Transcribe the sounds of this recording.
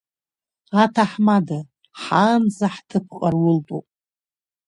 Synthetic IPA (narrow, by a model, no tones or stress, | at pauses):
atʰaħmada | ħanzaħtʰɨpʰqʼarwʊltʼupʼ